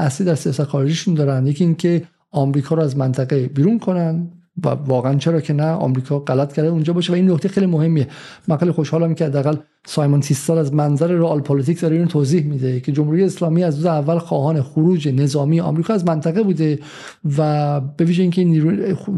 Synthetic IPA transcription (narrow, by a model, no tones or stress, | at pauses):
æsliːd̪æɾsijɒːsæt̪xɒːɾed͡ʒiʃund̪ɒːɾænd̪je̞cʰiːiŋcʰe̞ | ɒmɾiːkʰɒːɾoæzmænt̪ʰæɣe̞biːɾunkʰo̞nænd̪ | væ̰vɒːɣeænt͡ʃʰe̞ɾɒːcʰe̞næɒ̰mɾiːkʰɒːɣælæt̪̚ʰcʰæɾd̪eund͡ʒɒːbɒːʃevæinːokʰt̪exejlimohemːiemænfæːlixoʃhɒːlæmcʰeæd̪ːeæɣæl | sɒjmont̪ʰist̪ɒlæzmænzæɾeɾoɒlpʰolit̪iːcd̪ɒɾeiunt̪ʰoːziːhmid̪e̞cʰe̞d͡ʒomhuɾijeːslɒːmiːæzd̪uːzeævːælxɒːhɒːne̞xoɾuːd͡ʒe̞ne̞zɒːmijeʔɒ̰mɾiːkʰɒːæzmænt̪ʰæɣebuːd̪e | væbe̞viːʒeiːncʲʰeniɾu